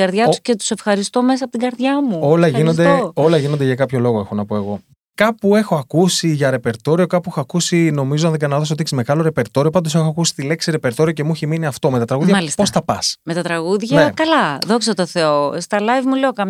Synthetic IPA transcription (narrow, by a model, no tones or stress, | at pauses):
ɐɾðʝɐtu̥scet̪u̥se̞fxɐɾist̪o̞me̞s̬ɐpot̪iɡɐɾðʝɐmuolɐʝinosd̪eo̞lɐʝino̞nd̪eʝɐkɐpço̞lo̞ɣoe̞xonɐpo̞e̞ɣo̞ | kɐpue̞xo̞ɐkusiʝɐɾe̞pe̞ɾt̪o̞ɾio̞kɐpuexoɐkusino̞mizoɐnðeɡɐnɐðos̬oot̪eçsizme̞ɣɐlo̞ɾe̞pe̞ɾt̪o̞ɾio̞pɐnd̪osexoɐkusi̥t̪ile̞ksiɾe̞pe̞ɾt̪o̞ɾio̞cemuçeminiɐft̪o̞met̪ɐt̪ɾɐɣuðʝɐisposθɐpɐsmet̪ɐt̪ɾɐɣuðʝɐnekɐlɐðo̞ksɐt̪oθeost̪ɐlɐjvmuleokɐm